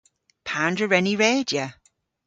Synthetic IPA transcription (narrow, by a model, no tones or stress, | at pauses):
pʰandəɹɛniɹeːdjə